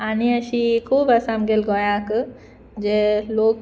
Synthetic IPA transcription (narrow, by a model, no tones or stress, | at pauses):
aːniɐʃikʰuːbɐsamɡelɡoːjãːk | d͡ʒeloːɡ̚